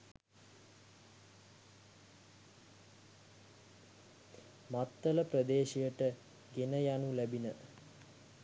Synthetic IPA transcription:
mat̪ːələprəd̪eːʃijəʈə | ɡenəjanulæbinə

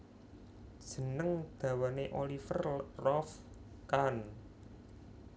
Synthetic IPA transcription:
d̥ʒ̥ə̤nəŋd̪̥ä̤waneʔolifərrɔf | kan

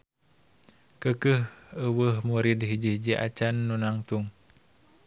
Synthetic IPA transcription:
kəkəhəwəhmuɾidɦid͡ʒihd͡ʒiʔa̰t͡ʃanːunaŋt̪uŋ

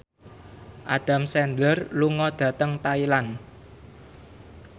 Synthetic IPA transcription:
ʔad̪̥a̤msɛnd̪ərluŋɔd̪̥ä̤t̪əŋt̪ailan

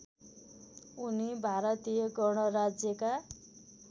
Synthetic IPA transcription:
unibʱaɾʌt̪ijʌɡʌɽ̃ʌɾad͡zjʌka

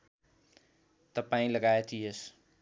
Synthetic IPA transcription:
t̪ʌpaĩləɡaet̪ʰies

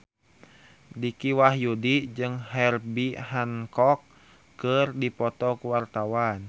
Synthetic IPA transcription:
dikiwaɦjudid͡ʒɨŋɦɛrbiɦankɔkː | ərdipɔt̪ɔkuwart̪awan

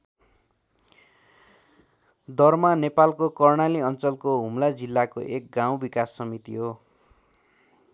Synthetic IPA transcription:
d̪ʌrmanepalkokʌrɽaliʌnt͡sʌlkoɦumlad͡zilːako̰ʔek̚ɡaw̃bikasːʌmit̪iɦo

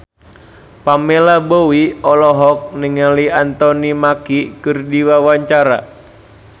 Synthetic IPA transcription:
pamelabowiɔlɔɦɔk̚niŋaliant̪ɔnimakikɨrdiwawaɲt͡ʃaɾa̰

